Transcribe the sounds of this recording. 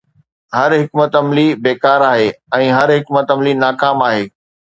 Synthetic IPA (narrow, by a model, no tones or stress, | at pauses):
ɦɐɾɦɪkmət̪ɐmlibeːkaːɾaːɦeːɛ̃ːɦɐɾɦɪkmət̪ɐmlinaːkaːmaːɦeː